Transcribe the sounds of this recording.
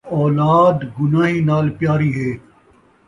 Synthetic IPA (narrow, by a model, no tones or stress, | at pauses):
ɔːlaːd̪ɡʊnaːɦiːnaːlpjaːɾiːɦeː